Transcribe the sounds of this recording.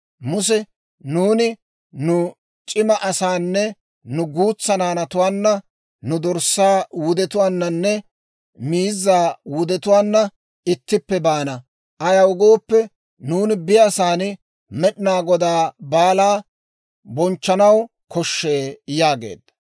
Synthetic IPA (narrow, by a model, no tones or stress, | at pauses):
mʊs̬ɛ | nuːnɪ | nʊ | t͡ʃʼɪmɐʔɐsaːnːɛ | nʊɡuːt͡sːɐnaːnɐt̪ʊwaːnːɐ | nʊd̪ɔɾsːaːwʊd̪ɛt̪ʊwaːnːɐnːɛ | miːzːaːwʊd̪ɛt̪ʊwaːnːɐ | ɪt̪ːɪpːɛbaːnɐ | ʔɐjɐwʊɡo̞ːpːɛ | nuːnɪbɪjasaːnɪ | mɛɗɪnaːɡɔd̪aːbaːlaː | bɔnt͡ʃːɐnɐw | kɔʃːeːjaːɡḛːd̪ɐ